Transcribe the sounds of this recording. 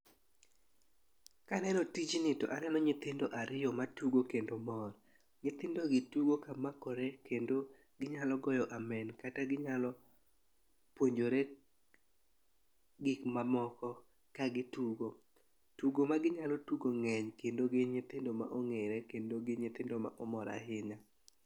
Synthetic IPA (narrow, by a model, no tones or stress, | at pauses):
kanɛnɔtid͡ʒinɪtɔ̰ʔanɛnɔɲɪt̪ɪndoʔaɾɪjɔmatuɡokendomɔr | ɲɪt̪ɪndoɡɪtuɡokamakɔɾekendo | ɡɪɲalɔɡɔjɔʔamɛnkataɡɪɲalɔ | pwoɲd͡ʒoɾe | ɡɪkmamɔkɔ | kaɡɪtuɡo | tuɡomaɡɪɲalɔtuɡoŋɛɲkendoɡɪɲɪt̪ɪndoma̰ʔoŋeɾɛkendoɡɪɲɪt̪ɪndoma̰ʔɔmɔɾa̰hɪɲa